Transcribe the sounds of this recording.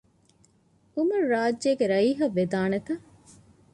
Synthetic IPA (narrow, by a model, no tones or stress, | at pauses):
umuɾɾaːd͡ʒːeːɡeɾɐiːɦɐʋːed̪aːnet̪ɐ